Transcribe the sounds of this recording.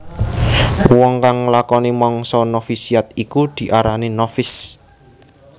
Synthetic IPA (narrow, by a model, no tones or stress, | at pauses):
wɔŋkaŋlakɔnimɔŋsɔnofisiat̪ikud̪̥i̤ʔaɾaninɔfɪs